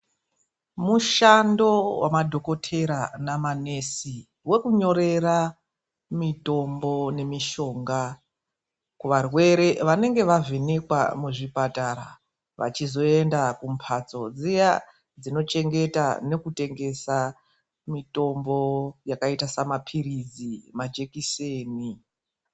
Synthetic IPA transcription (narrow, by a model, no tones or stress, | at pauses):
muʃando̞wa̰madʱo̞ko̞tʰe̞ɾanamane̞si | we̞kuɲo̞ɾe̞ra | mito̞mbo̞ne̞miʃo̞ːŋɡa | kuʋarwe̞ɾe̞ʋane̞ŋɡe̞ʋavenekwa̰muʐipataɾa̰ | ʋa̰t͡ʃizo̞e̞ndakum̩pʰat͡so̞d͡zija | d͡zino̞t͡ʃe̞ŋɡe̞ta̰ne̞kute̞ŋɡe̞sa | mito̞mbo̞jakaitasamapʰirid͡zimad͡ʒe̞kiseːni